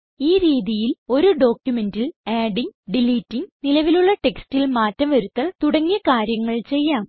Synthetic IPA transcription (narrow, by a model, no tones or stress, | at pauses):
iːɾiːðijilo̞ɾuɖo̞ːkʲjume̞ndilaːɖiŋɡɖiliːtːiŋnilɐʋiluɭːɐʈe̞kstilmaːtːɐmʋɐɾut̪ːɐlt̪uɽɐŋːijɐkaːɾjɐŋːɐɭt͡ɕe̞jːaːm